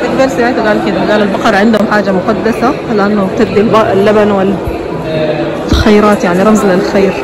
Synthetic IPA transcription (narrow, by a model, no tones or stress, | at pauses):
ʔ̪aɡd̪ɑɾˤsaʕɪːt̪aɡaːlkɪd̪aɡaːlalbɑqɑɾˤɑʕɪnd̪hʊmħaːd͡ʒːamʊqɑd̪ːasalɪʔanːab̚t̪ad̪ːɪmbɑʔɪlːabanwɪ | xajɾˤɑːt̪jaʕniɾˤɑmzlɪlxeːɾ